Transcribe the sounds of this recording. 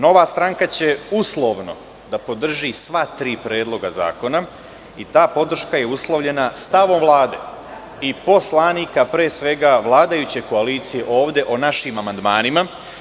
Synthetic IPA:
no̞ʋaːst̪ɾaŋkat͡ɕe̞uslˠo̞ʋno̞̰ | d̪apo̞d̪r̩ʒisʋat̪ɾiːpɾe̞ːd̪lˠo̞ɡaza̰ːko̞na | it̪aːpo̞d̪r̩ʃkaje̞uslˠoʋʎe̞nast̪aʋo̞mʋlˠaːd̪e̞̰ | ipo̞slˠaːniːkapɾeːsʋe̞ɡaʋlˠaːd̪ajut͡ɕe̞ko̞aliːt̪sije̞ʔo̞ːʋd̪e̞ʔonaʃimamand̪maːnima

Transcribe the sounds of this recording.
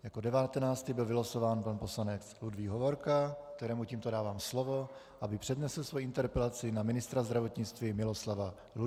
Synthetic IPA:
jako̞dɛvat̪ɛnaːt͡st̪ibɪlvɪlaso̞vaːnpanpo̞slanɛt͡sludviːɦovo̞ɾkak̚t̪ɛɾɛːmuciːmt̪o̞daːvaːmslovo̞ | ʔabɪpr̝̥ɛdnɛsl̩svojʔɪnt̪ɛɾpɛlat͡sɪnamɪnɪst̪ɾazd̪ɾavo̞t̪ɲɪt͡st̪vimɪlo̞slava | lu

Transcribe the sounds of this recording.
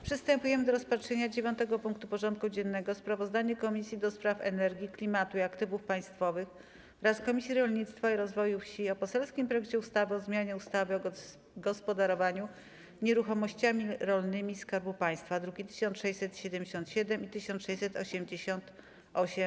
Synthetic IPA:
pʂɨst̪ɛmpujɛmɘd̪ɔɾɔspatʂɛɲad͡ʑevʲjɔnt̪ɛɡɔpuŋk̚t̪upɔʐɔnt̪̚kud͡ʑɛnːɛɡɔspɾavɔzd̪aɲɛkɔmʲisʲjid̪ɔspɾafɛ̰nɛɾɡʲiklʲimat̪uiakt̪ɘvufpaj̃st̪fɔvɘx | ɾaskɔmʲisʲjiɾɔlɲit̪st̪faiɾɔzvɔjufɕiɔpɔsɛlskʲimpɾɔjɛk̚t͡ɕɛust̪avɘɔzmʲjaɲɛust̪avɘɔ | ɡɔspɔd̪aɾɔvaɲu | ɲɛɾuxɔmɔɕt͡ɕamʲiɾɔlnɘmʲiskaɾbupaj̃st̪fad̪ɾuɡʲit̪ɘ̥ɕɔnʂɛjsɛt̪ɕɛd̪ɛmd͡ʑeɕɔnt̪ɕɛd̪ɛmit̪ɘɕɔnt̪ʂɛjsɛt̪ɔ̰ɕɛmd͡ʑeɕɔnt̪ | ɔɕɛm

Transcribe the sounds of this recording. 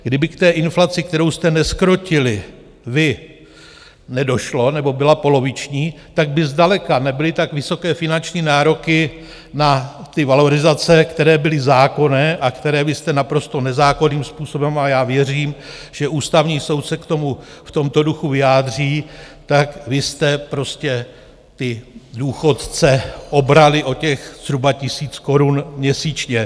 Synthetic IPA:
ɡdɪbɪkt̪ɛːʔɪnflat͡sɪkt̪ɛɾo̞wst̪ɛnɛskɾo̞cɪlɪ | vɪ | nɛdo̞ʃlo̞nɛbo̞bɪlapo̞lo̞vɪt͡ʃɲiː | t̪aɡ̚bɪzdalɛkanɛbɪlɪt̪akvɪso̞kɛːfɪnant͡ʃɲiːnaːɾo̞kɪ | nat̪ɪvalo̞ɾɪzat͡sɛkt̪ɛɾɛːbɪlɪzaːko̞nɛːʔakt̪ɛɾɛːvɪst̪ɛnapɾo̞st̪o̞nɛzaːko̞niːmspuːso̞bɛmajaːvjɛriːm | ʒ̥ɛʔuːst̪avɲiːso̞wt̪sɛkt̪o̞muft̪omt̪o̞duxuvɪjaːd̪r̝iːt̪akvɪst̪ɛpɾo̞scɛ | t̪ɪduːxo̞t̪t͡sɛʔo̞bɾalɪʔo̞cɛxz̥ɾubacɪsiːt͡sko̞ɾunmɲɛsiːt͡ʃɲɛ

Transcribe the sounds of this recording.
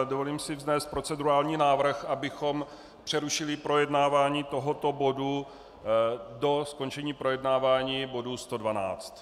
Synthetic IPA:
dovo̞liːmsɪvznɛːst̪̚pɾo̞t͡sɛduɾaːlɲiːnaːvr̩xʔabɪxo̞m | pr̝̥ɛɾuʃɪlɪpɾo̞jɛdnaːvaːɲiːt̪o̞ɦot̪o̞bo̞du | do̞sko̞nt͡ʃɛɲiːpɾo̞jɛdnaːvaːɲiːbo̞dust̪o̞dvana̰ːt͡st̪

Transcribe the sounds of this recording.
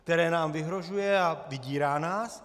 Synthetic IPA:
k̚t̪ɛɾɛːnaːmvɪɦɾo̞ʒujɛavɪɟiːɾaːnaːs

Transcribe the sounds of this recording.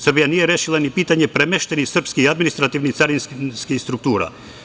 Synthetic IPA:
sər̩bijanijɛɾeːʃilˠanipiːt̪aɲɛpɾɛmɛʃt̪ɛnisr̩pskiad̪minist̪ɾat̪iʋnit̪saɾinskskist̪ɾukt̪uːɾa̰

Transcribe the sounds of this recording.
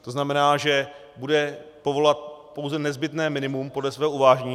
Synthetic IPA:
t̪o̞znamɛnaːʒɛ | budɛpo̞vo̞lat̪̚po̞wzɛnɛzbɪt̪nɛːmɪnɪmumpo̞dlɛsvɛːɦouvaːʒɲiː

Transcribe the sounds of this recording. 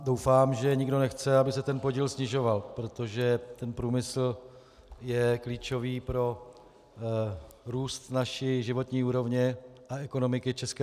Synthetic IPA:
dowfaːmʒɛɲɪɡdo̞nɛxt͡sɛabɪsɛt̪ɛnpo̞ɟiːlsɲɪʒo̞valpɾo̞t̪o̞ʒɛt̪ɛnpɾuːmɪsl̩ | jɛkliːt͡ʃo̞viːpɾo̞ | ɾuːst̪naʃɪʒɪvo̞t̪ɲiːuːɾo̞vɲɛʔaɛkono̞mɪkɪt͡ʃɛskɛ

